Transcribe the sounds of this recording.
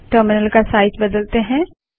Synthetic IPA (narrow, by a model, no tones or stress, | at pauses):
ʈəɾmɪnəlkasaːɪʈbɐd̪əlt̪eɦɛ̃ː